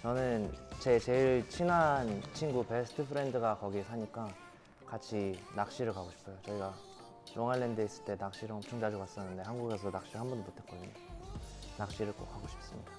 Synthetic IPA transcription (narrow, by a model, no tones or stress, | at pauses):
t͡ɕʌnɯnt͡ɕe̞t͡ɕe̞iɭt͡ɕʰinant͡ɕʰinɡupe̞sʰɯ̥tʰɯpʰɯɾe̞ndɯɡakʌɡisʰaɲik͈a | kat͡ɕʰinak̚ɕ͈iɾɯɭkaɡoɕʰi̥pʰojot͡ɕʌiɡa | ɾoŋaɭːendɯis͈ɯ̥ɭt͈e̞nak̚ɕ͈iɾʌt͡ɕʰoŋd͡ʑad͡ʑokas͈ʌnːɯnde̞hanɡuɡe̞s̬ʰʌnak̚ɕ͈iɾɯɭɦambundomotʰe̞t̚k͈odiɲo | nak̚ɕ͈iɾɯɭk͈o̰k̚haɡoɕʰi̥p̚s͈ɯmɲida